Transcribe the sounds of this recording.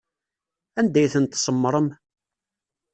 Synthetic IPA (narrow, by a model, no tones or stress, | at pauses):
ænd̪æjθənt̪sˤəmːɾˤəm